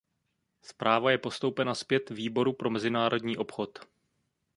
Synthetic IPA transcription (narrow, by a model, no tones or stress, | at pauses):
spɾaːvajɛpo̞st̪o̞wpɛnaspjɛt̪viːbo̞ɾupɾo̞mɛzɪnaːɾo̞dɲiːʔo̞pxo̞t̪